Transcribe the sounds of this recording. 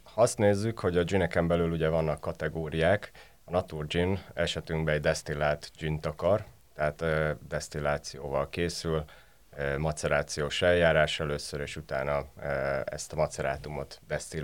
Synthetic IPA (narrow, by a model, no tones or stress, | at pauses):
hɒst̪neːzːykho̞ɟɒd͡ʒinɛkɛmbɛlyluɟɛvɒnːɒkːɒt̪ɛɡoːɾijaːk | ɒnɒt̪urd͡ʒinɛʃɛt̪yŋɡbɛɛɟd̪ɛst̪ilaːt̪d͡ʒint̪ɒkɒr | t̪ɛɦaːt̪ːd̪ɛst̪ilaːt̪sijoːvɒlkeːsyl | mɒt̪sɛɾaːt̪sijoːʃɛljaːɾaːʃɛløːsːøɾeːʃut̪aːnɒ | ɛ̰st̪ɒmɒt̪sɛɾa̰ːt̪umo̞t̪d̪ɛst̪il